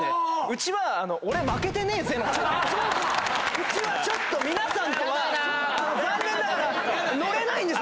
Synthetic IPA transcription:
eɯ̟t͡ɕiβaːno̞oɾe̞make̞t̪ene̞ːzẽt͡ɕo | ɯ̟t͡ɕiβat͡ɕo̞t̪ːo̞mʲinasãnk̪oβa | oɡãnːẽnːaɾa | noɾe̞naĩnd̪e̞

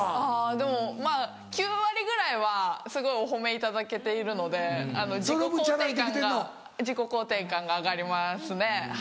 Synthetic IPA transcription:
aːd̪e̞mo̞maː | kʲɨːβaɾʲiɡɯ̟ɾaiβ̞asɨɡo̞io̞ɦo̞me̞it̪ad̪ake̞t̪e̞iɾɯ̟no̞d̪e̞ano̞d͡ʑiɾokɯoanãt̪eãŋeɡao | d͡ʑiko̞ko̞ːt̪ẽ̞ŋkãŋɡaːɡaɾʲimasɨne̞

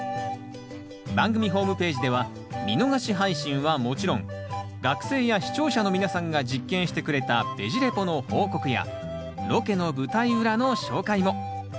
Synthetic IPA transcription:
bãŋɡɯ̟mʲiɦo̞ːmɯ̟pe̞ːʑid̪e̞β̞a | mʲino̞ɡaɕiɦaiɕĩɰ̃βamo̞t͡ɕiɾõ̞ŋ | ɡakɯ̟̥se̞ːjaɕi̥t͡ɕo̞ːɕano̞mʲinasãŋɡad͡ʑikːẽ̞ɰ̃ɕi̥t̪e̞kɯ̟ɾe̞t̪ab̥e̞̰ʑiɾe̞po̞no̞ho̞ːko̞kɯ̟ja̰ | ɾo̞ke̞no̞bɯ̟t̪aiɯ̟ɾano̞ɕo̞ːkaimo̞

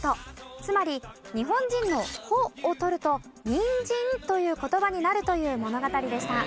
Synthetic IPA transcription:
t̪ot͡sɨmaɾʲiɲ̟iɦõ̞ɲ̟d͡ʑĩnːo̞hoːt̪o̞ɾɯ̟t̪o̞ | ɲ̟ĩɲd͡ʑĩnt̪o̞jɯ̟ːko̞t̪o̞baɲ̟inaɾɯ̟t̪o̞jɯ̟ːmo̞no̞ɡat̪aɾʲid̪eɕi̥t̪a

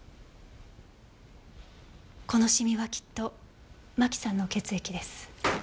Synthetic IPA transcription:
ko̞no̞ɕimʲiβakʲi̥t̪ːo̞ | makʲi̥sãnːo̞ke̞t͡sɨe̞kʲid̪e̞sɨ̥

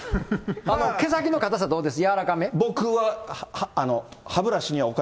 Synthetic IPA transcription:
ano̞ke̞s̬akʲino̞kat̪as̬ad̪o̞ːd̪es̬ɨjaβaɾakame̞bo̞kɯβahːno̞habɯ̟ɾaɕiɲ̟iβaoka

